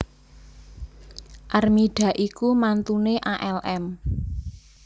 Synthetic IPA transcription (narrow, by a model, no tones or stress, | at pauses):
ʔarmiɖ̥ä̤ʔikumant̪uneʔaʔɛlʔɛm